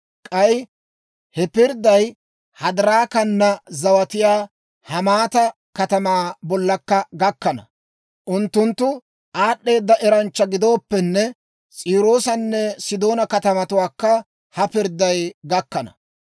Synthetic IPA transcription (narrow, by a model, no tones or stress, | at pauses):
kʼɐj | hɛpɪɾd̪ɐj | hɐd̪ɐɾaːkɐnːɐzɐwɐt̪ɪjaː | hɐmaːt̪ɐ | kɐt̪ɐmaːbɔlːɐkːɐɡɐkːɐnɐ̰ | ʔʊnt̪ːʊnt̪ːʊ | ʔaːɗːe̞ːd̪ːɐʔɛɾɐnt͡ʃːɐɡɪd̪o̞ːpːɛnːɛ | t͡sʼiːɾoːsɐnːɛsɪd̪o̞ːnɐkɐt̪ɐmɐt̪ʊwaːkːɐ | hɐpɪɾd̪ːɐjɡɐkːɐnɐ̰